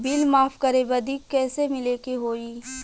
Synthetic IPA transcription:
bɪlmaːfkɐɾeʋɐd̪iːkːɛːsemɪlekeɦoːiː

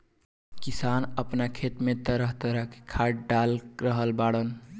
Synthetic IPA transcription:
kisanəpnakʰet̪met̪əɾəɦt̪əɾəɦke̥kʰaɖalɾəɦəlbaɽən

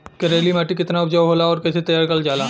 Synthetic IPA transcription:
kɐɾeːlimaːʈikɪt̪naʊpd͡ʒaːwɦoːlaɔːɾkɛːset̪ɐjaːɾkɐld͡ʒaːlaː

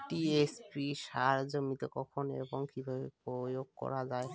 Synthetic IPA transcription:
ʈiespiʃaɾd͡ʑomit̪ekɔkʰonḛboŋkibʱabepojoɡ̚kɔ̰ɾad͡ʑae

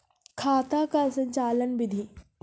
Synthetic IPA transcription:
kʰaːt̪akasə̃ɲt͡ʃaːlənbɪd̪ʱi

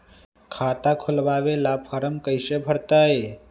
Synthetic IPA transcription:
kʰaːt̪akʰulʋaʋelapʰəɾəmkəjsebʱəɽt̪ae

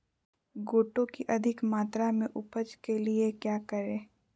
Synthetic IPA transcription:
ɡoːʈõkiʔɐd̪ʱɪkmaːt̪ɾamẽʔʊpəd͡ʒkeliekjaːkəɾẽː

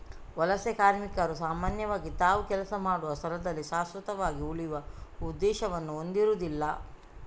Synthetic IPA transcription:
ʋɐlɐsɛkaːɾmikɐɾusaːmaːnjɐʋaːɡit̪aːʋukɛlɐsɐmaːɽuʋɐst̪ʰɐlɐd̪ɐlːiʃaːsʋɐt̪ɐʋaːɡiuɭijʋɐud̪ːɛːʃɐʋɐnːuond̪iɾuːd̪ilːɐ

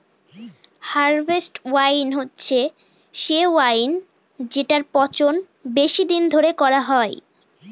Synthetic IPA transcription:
haɾbʱesʈwajnɦotːɕʰe | ʃewajn | d͡ʑeʈaɾpɔt͡ɕon | beʃid̪ind̪ʱoɾekɔɾaɦɔe

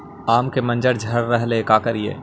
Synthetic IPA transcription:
aːmkemɐ̃nd͡ʒəɾd͡ʒʱɐɾːɛɦlekaːkɐɾijḛː

